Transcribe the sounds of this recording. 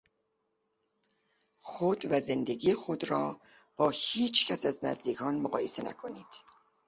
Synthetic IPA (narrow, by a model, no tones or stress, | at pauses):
xod̪væze̞nd̪e̞ɡiːxod̪ɾɒː | b̥ɒːhiːt͡ʃʰcʰæsæznæ̰zd̪iːkʰɒːnmoɣɒ̰ːje̞se̞næ̰kʰo̞niːd̪̥